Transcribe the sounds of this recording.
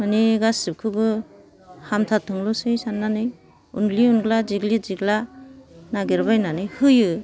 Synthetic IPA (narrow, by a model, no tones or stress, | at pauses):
maniɡasɯp̚kʰɯbɯ | hamtʰatʰɯŋlusɯjsanːanɯj | ṵnɡliunɡlaziɡliziɡla | naɡeɾbajnanɯjhɯjɯ